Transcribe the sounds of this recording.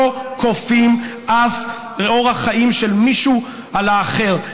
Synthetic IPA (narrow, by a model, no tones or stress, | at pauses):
okʰofimʔaf | ʁeo̞ʁhaχaʔimʃelmiʃu | alaːχe̞ʁ